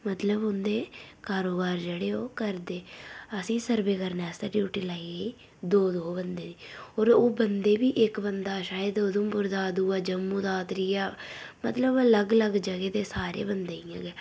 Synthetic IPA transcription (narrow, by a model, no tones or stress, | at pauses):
mət̪ləbʊnd̪eːkaːɾoːbaːɾd͡ʒeːɽeːoːkəɾd̪eːəsĩːsəɾbeːkəɾnɛːst̪əʈjuːʈiːlaːiːɡəiː | d̪oːd̪oːbənd̪eːd̪iːoːɾoːbənd̪eːbiːʔɪkbənd̪aːʃaːjed̪od̪õmpʊɾd̪aːd̪uːaːd͡ʒəmːũːd̪aːt̪ɾiːaː | mət̪ləbələɡələɡd͡ʒəɡeːt̪eːsaːɾḛːbənd̪eːijã̰ːɡɛː